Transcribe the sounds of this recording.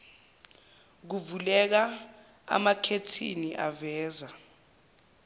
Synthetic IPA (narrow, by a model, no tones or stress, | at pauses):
k̬uvulɛk̬a | a̰makʰetʰḭniʔavɛːza